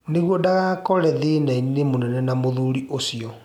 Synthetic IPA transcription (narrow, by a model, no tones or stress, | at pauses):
neɣwɔdaɣakɔɾɛðenainnemonɛnɛnamoðuɾiʔosiɔ